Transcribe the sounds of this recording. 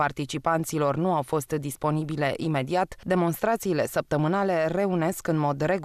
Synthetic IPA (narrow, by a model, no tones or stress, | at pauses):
art̪it͡ʃipant̪silo̞rnuawfo̞st̪d̪ispo̞nibile̞ʔime̞d̪iat̪d̪e̞mo̞nst̪ɾat̪siːle̞səp̚t̪əmɨnale̞re̞une̞skɨnmo̞d̪re̞ɡ